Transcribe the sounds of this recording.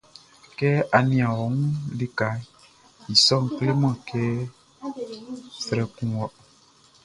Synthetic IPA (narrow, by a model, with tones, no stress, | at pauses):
kɛ˦ʔa˨nĩ˨ã˨wɔ˨˦ŋ˦li˦ka˨˦ | i˨sɔ˦˨ŋ̩˨kle˦mã˦˨kɛː˦ | sɛ˨ɾɛ˨kũ˨wɔ˨